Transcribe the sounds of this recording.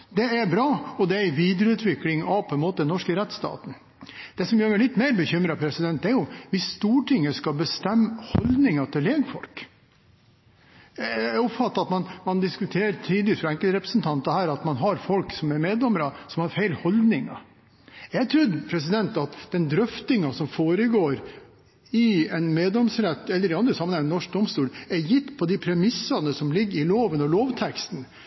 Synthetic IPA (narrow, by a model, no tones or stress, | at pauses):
d̪ɛæɾbɾɑːɔd̪ɛæɪʋiːd̪ɾəʉːt̪ʰʋɪklɪŋɑʋpʰɔɛnmoːt̪əd̪ɛnɔʂkəɾɛt̪st̪ɑ̰ːt̪n̩ | d̪̥ɛsɔmjømælɪt̪ːmæɪɾbəçʏmɾɑpʰɾɛsɪd̪ɛnt̪d̪æɾjʊʋɪsst̪uːʈɪŋːəskɑbəst̪ɛmːhɔld̪nɪŋɑt̪ʰɪleːɡfɔ̰lk | ɔpfɑt̪ːɑɑt̪mɑnmɑnd̪ɪskʉt̪ʰeːɾt̪ʰiːd̪ɪt̪fɾɑæŋkəlt̪ɾɛpɾə̥snt̪ʰɑnt̪ɑhæːɾɑt̪mɑnɦɑɾfɔlksɔmɛɾmeːd̪lɔməɾɑsɔmhɑɾfæɪlhɔld̪nɪŋɑ̰ | jæɡt̪ʰɾʉd̪pʰɾɛs̬ɪd̪ɛnt̪ɑt̪d̪̥ɛnd̪ɾœft̪ɪŋɑsɔmfoːɾəɡoːɾ | ɪɛɪnmeːd̪ɔmsɾɛt̪ːɛlːəɾɖɪɑnd̪ɾəsɑmːənæɛnɔʂk̚d̪ɔmst̪uːlæjɪt̪ːpʰɔd̪ɪpʰɾɛmɪsːɑnəsɔmlɪɡːɾɪloːʋənɔloːʋt̪ʰɛkst̪n̩